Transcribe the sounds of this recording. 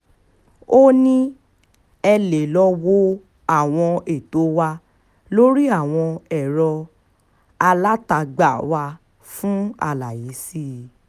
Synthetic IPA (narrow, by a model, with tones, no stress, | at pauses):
o˦nĩ˦ | ɛ˧le˨lɔ˧wo˦ | a˦˨w̃ɔ̃˧e˨to˨˦wa˧ | lo˦ɾi˦a˦˨w̃ɔ̃˧ɛ˦˨ɾɔ˧ | a˧la˦ta˧ɡ͡ba˦˨wa˧ | fũ˦a̰˧˨la˨ji˨˦si˦˨˧